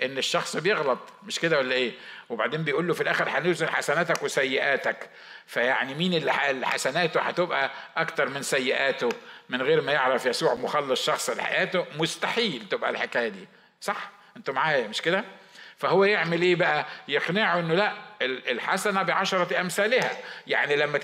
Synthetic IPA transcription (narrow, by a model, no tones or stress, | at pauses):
ʔenːeʃːɑxsˤbejeɣlɑt̪ˤmeʃked̪æwælːæʔeːweba̰ʕd̪eːmbejʔuːlːofilʔæːxeɾħanozenħasænæːt̪ækwesæjːɪʔæːt̪æk | fæjaʕnimiːnelːħlːħa̰sænæːt̪oħa̰t̪ebʔæʔækt̪ɑɾˤmɪnsæjːɪʔæːt̪omɪnɣeːɾmæjeʕɾæfjæsuːʕmoxɑlːɑsˤʃɑxsˤelħa̰jʔæːt̪omost̪aħiːlt̪ebʔæ̰lħekæːjæd̪ḭː | sˤɑħ | ʔent̪ʊmaʕaːjæmeʃked̪æ | fæhowːæjeʕmelʔeːbæʔæjeqneʕoʔenːolæʔelelħa̰sænæbeʕɑʃɑɾˤɑt̪ʔæmsæːlɪhæ̰ja̰ʕnilæmːæ